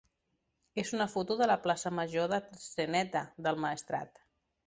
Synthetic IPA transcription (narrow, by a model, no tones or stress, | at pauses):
ezunəfut̪uðələplasəməʒoðəsənɛt̪əðəlˠməəst̪ɾa̰t̪